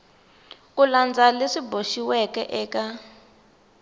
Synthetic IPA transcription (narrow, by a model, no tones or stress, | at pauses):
kuland͡zaleʂiboʃiwɛkɛʔɛːka